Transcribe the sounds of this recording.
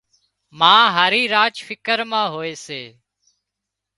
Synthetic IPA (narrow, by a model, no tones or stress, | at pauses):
mãːɦaːɾiːɾaːt͡ʃfɪkəɾmãːɦoːeːseː